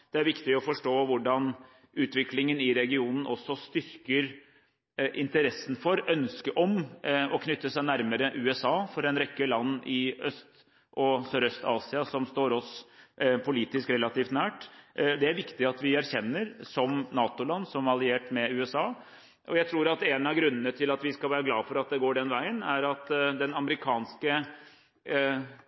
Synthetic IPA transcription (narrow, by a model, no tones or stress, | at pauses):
d̪̥ɛæɾʋɪkt̪ɪɔfɔʂʈoːʋʊɖɑn | ʉːt̪ʋɪklɪŋənɪɾɛɡɪuːnən̩ɔsːɔst̪ʏɾkəɾ | ʔɪnt̪əɾɛsːən̩fɔɾœnskəʔɔmɔkʰnʏt̪ːəsæɪnæɾməɾəʔʉːɛsɑːfɔɾɛnɾɛkːəlɑnːɪœst̪ | ʔɔsøːɾœst̪ɑːsɪɑsɔmst̪oːɾɔs | pʰʊliːt̪ɪskɾɛlɑt̪ʰiːft̪næːʈd̪ɛæɾʋɪkt̪ɪɑt̪ʋɪæɾçɛnːəɾsɔmnɑːt̪ʊlɑnːsɔmɑlɪeːʈmɛʉːɛsɑː | ʔɔjæɪt̪ʰɾuːɾɑt̪ɛnɑʋɡɾʉnːənət̪ʰɪlɑt̪ʋɪskɑlʋæːɾəɡlɑːfɔɾɑt̪̚d̪ɛɡoːɖɛnʋæɪənæɾɑt̪d̪ɛnɑməɾɪkʰɑːnskə